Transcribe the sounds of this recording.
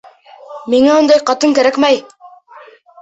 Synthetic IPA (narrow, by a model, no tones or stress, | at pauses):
miŋæund̪ɑjqɑt̪ɤŋkæɾækmæj